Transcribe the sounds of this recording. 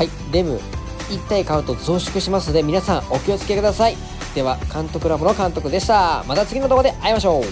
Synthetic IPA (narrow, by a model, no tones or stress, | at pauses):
hai | d̪e̞bɯ̟̰ | it̪ːaikaɯ̟t̪o̞zoːɕi̥kɯ̟ɕimasɨno̞d̪e̞mʲinasãŋ̃o̞kʲio̞t͡sɨ̥ke̞kɯ̟d̪asai | d̪̥e̞βakãnt̪o̞kɯ̟ɾabɯno̞kãnt̪o̞kɯ̟d̪e̞ɕi̥t̪amat̪at͡sɨɡʲino̞t̪o̞kod̪e̞ʔaimaɕ̬o̞ː